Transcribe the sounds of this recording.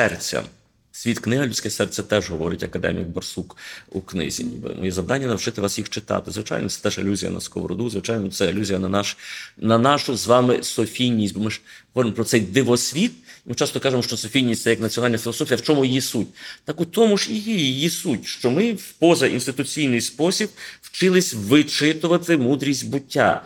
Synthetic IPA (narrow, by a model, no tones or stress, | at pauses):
sɛrt͡sʲɐ̰ | sʲʋʲit̪knɪɦɐlʲut͡sʲkɛsɛrt͡sʲɐt̪ɛʒɦɔʋɔɾɪtʲɐkɐd̪ɛ̰mʲḭkbɐrsukuknɪ̰zʲḭnʲḭbɪ̰nmɔ̰jɛzɐʋd̪anʲːɐnɐwt͡ʃɪt̪ɪʋɑsjixt͡ʃɪt̪ɑ̰t̪ɪzʋɪt͡ʃɑ̰jnɔ̰sɛt̪ɛʒɪlʲuzʲijɐ̰nɐ̰skɔ̰ʋɾɔ̰d̪uzʋɪt͡ʃɑjnɔt̪sɛɪlʲuzʲijɐnɐnɑʃnɐnɑʃʊzʋɑmɪsɔfʲijnʲisʲtʲbɔmɪʒɔʋɔɾɪmɔpɾɔt̪sɛjd̪ɪʋɔsʲʋʲit̪mɪt͡ʃɑst̪ɔkɑʒemɔʃt͡ʃɔsɔfʲijnʲisʲsɛjɐknɐtt͡sʲiɔnɑlʲnɐfʲilˠɔsɔfʲijɐwt͡ʃɔmʊjisutʲt̪ɑkʊt̪ɔmʊʒjijijjisutʲʃt͡ʃɔmɪpɔzɐʔḭnst̪ɪt̪ʊt͡sʲijnɪjspɔsʲib̚w̥t͡ʃɪlˠɪsʲʋɪt͡ʃɪt̪ʊʋɐt̪ɪmud̪ɾʲisʲtʲbʊtʲːa̰